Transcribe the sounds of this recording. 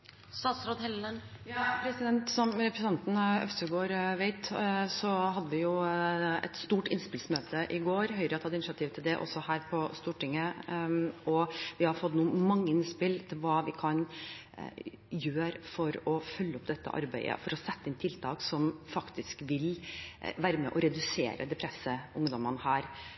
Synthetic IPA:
st̪ɑːt̪sɾoːd̪hɛlənjɑːpʰɾɛsɪd̪ɛnt̪sɔmɾɛpɾsnɑnt̪n̩œ̰ft̪əɡoːɾʋeɪt̪sɔhɑd̪ːəʋɪjʊɛ̰t̪st̪uːʈɪnspɪlsmøːt̪əʔɪɡoːɾhœʏɾət̪hɑd̪əɪnʃɪɑt̪ʰiːʋt̪ʰɪld̪ɛʔɔ̰sɔhæːɾpʰɔst̪uːʈɪŋːə | ʔɔʋɪhɑɾfɔt̪ːnuːmɑŋːəɪnspɪlt̪ʰɪlʋɑːʋɪkʰɑn | jøːɾfɔɾɔfœlːəɔpːd̪ɛt̪ːə̰ʔɑ̰ɾbæɪə̰fɔɾɔsɛt̪ːəɪnt̪ʰɪlt̪ʰɑːksɔmfɑkt̪ɪskʋɪlʋæːɾəmɛ̰ʔɔɾɛd̪ʉsḛːɾə̰d̪ɛpʰɾɛsːəʊŋd̪ɔmənəhæːɾ

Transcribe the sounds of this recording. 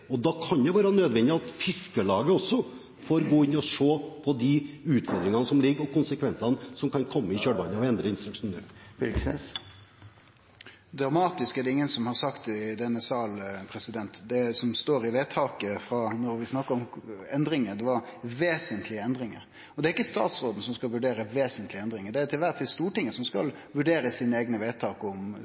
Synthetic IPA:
ɔd̪ɑkʰɑnd̪ɛʋɑːɾnøːd̪ʋɛnd̪ɪɑt̪fɪskəlɑːɡəɔsːɔ | foːɾɡoːɪnːɔʂoːpʰɔd̪iʉːt̪fɔɾd̪ɾɪŋɑnəsɔmlɪɡːɔkʰʊnsəkʰʋɛnsɑnəsɔmkʰɑnkʰɔmːəɪçøːɖʋɑnːəɑʋɛnd̪ɾəɪnst̪ɾʉkʂuːnːø̰ːfɪlɡsɛ̰s | d̪ɾɑmɑːt̪ɪskɛd̪ɛɪŋːənsɔmhɑʁsɑkt̪d̪ɛnːəsɑːlpʰɾɛsɪd̪ɛnt̪d̪ɛsɔmst̪oːɾɪʋeːt̪ʰɑːkəfɾɑːnɔɾʋɪsnɑkːəɾɔmɛnd̪ɾɪŋəd̪ɛʋɑʋeːsənt̪ʰlɪəɛnd̪ɾɪŋə̰ɾ | ɔd̪ɛæɾɪkːəst̪ɑ̰ːt̪sɾoːd̪n̩sɔmskɑlʋʉɖeːɾəʋeːsənt̪ʰlɪɛnd̪ɾɪŋəd̪ɛæt̪ʰɪlʋæt̪ʰiːst̪uːʈɪŋːəsɔmskɑ̰l | ʋʉɖeːɾəsiːnəeːɡnəʋeːt̪ʰɑːkɔm

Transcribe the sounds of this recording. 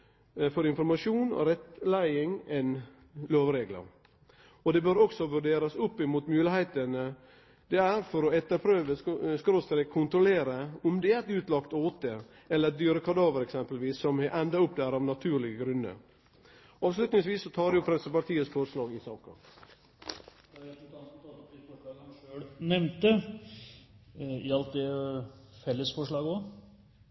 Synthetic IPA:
fɔɾɪnfɔɾmɑʂuːnɔ̰ɾɛt̪læɪɪŋɛn | løːʋɾeːɡlə̰ɾ | ɔd̪ɛbøːɾɔksɔʋʉɖeːɾɑsʊpːɪmuːt̪mʉːlɪhæɪt̪ənə | d̪ɛæɾfɔɾɔɛt̪ːəɾpʰɾøːʋəskɾoːst̪əɾɛkʰʊnt̪ɾɔleːɾəɔmd̪ɛæɾt̪ʉːt̪lɑkt̪oːt̪ə | ɛlːəɾd̪yːɾəkʰɑd̪ɑːʋəɾɛksɛmpəlʋiːsːɔmhɛʔɛnd̪ɑʊpːd̪æɾɑːʋnɑt̪ʰʉːɾɭɪɡəɡɾʉnːə̰ɾ | ʔɑːʋslʉt̪nɪŋsʋiːsːɔt̪ʰɑːɾjʊfɾɛt̪səpɑʈʰiːəsfɔɾʂlɑːɡɪsɑːkɑ̰ | ɛt̪ɔt̪ɑnt̪ɑɑt̪ifɔɑːɡʃøːɽnɛmnt̪ə | ɪɑlt̪̚d̪ɛ | fɛlːəsfɔʂɭɑːɡəɔ

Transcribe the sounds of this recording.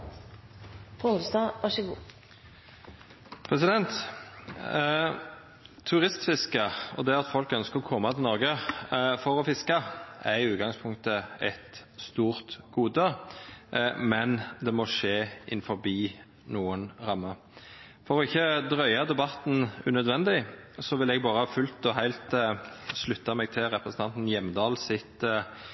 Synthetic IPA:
fʊud̪st̪ɑɑʃəɡuː | pʰʁɛsɪd̪ɛnt̪ | ʉʁɪst̪fɪskɑɔ̰d̪ɛɑt̪fɔlkœnskəʁɔkʰɔmːɑt̪ʰɪlnɔʁɡəfɔʁɔfɪskəæɾɪʉːɡɑŋspʰʊŋ̚t̪əɛt̪st̪uːʁt̪ɡ̥uːd̪ə | mɛnd̪ɛmɔʂeːʔɪ̰nfɔʁbiː | nuːənʁɑmːə | fɔɾɔɪçːəd̪ɾœʏɑd̪ɛbɑt̪n̩ʉnœd̪ʋɛnd̪ɪsɔʋɪlɛɡbɑːʁəhɑːfʉlt̪ɔɦæɪlt̪slʉt̪ːɑmɛɡ̚t̪ʰɪlɾɛpɾəsn̩t̪ɑnt̪n̩jɛmːd̪ɑːlsɪt̪

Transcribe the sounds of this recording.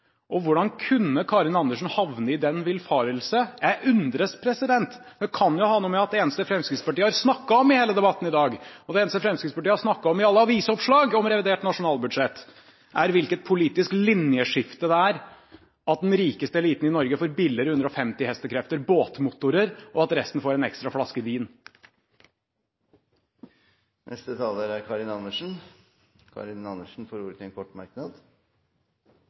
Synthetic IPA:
ʔɔʋʊɖɑnkʰʉnːəkʰɑːɾɪnɑnd̪əʂn̩hɑʋnəɪd̪ɛnʋɪlfɑːɾəlsəæʉnd̪ɾəspʰɾɛsɪd̪ɛnt̪d̪ɛkʰɑnjʊhɑːnuːmɛɑt̪̚d̪ɛeːnəst̪əfɾɛmskɾɪt̪spɑʈiːəhɑɾsnɑkːɑɔmɪheːləd̪ɛbɑt̪ːn̩ɪd̪ɑːɡɔd̪ɛeːnəst̪əfɾɛmskɾɪt̪spʰɑʈiːəhɑɾʂnɑkːɑɔmɪɑlːəɑʋiːsɔpʂlɑːɡɔmɾɛʋɪd̪eːʈnɑʂʊnɑːlbʉd̪ʂɛt̪ː | ʔæɾʋɪlkət̪̚pʰʊliːt̪ɪsklɪnjəʂɪft̪əd̪ɛæːɾ | ɑt̪̚d̪ɛnɾiːkəst̪əliːt̪n̩ɪnɔɾɡəfɔɾbɪlːəɾhʉnd̪ɾɔfɛmt̪ɪhɛst̪əkʰɾɛft̪əɾboːt̪mʊt̪ʊɾəɾʔɔɑt̪ɾɛst̪n̩foːɾɛnɛkst̪ɾɑfɽɑskəʋiːn | nʔɛ̰st̪ət̪ʰɑːləɾæɾkʰɑɾɪnɑnːəʂn̩ | kʰɑ̰ɾɪnɑnːəʂn̩fɔɾuɾt̪ɛnkʰɔʈːmɑ̰ɾknɑd̪

